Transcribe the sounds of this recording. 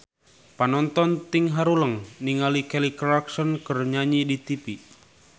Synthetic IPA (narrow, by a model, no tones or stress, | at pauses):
panɔnt̪ɔnt̪iŋɦaɾuləŋniŋalikɛlikɾaksɔnkərɲaɲidit̪ipi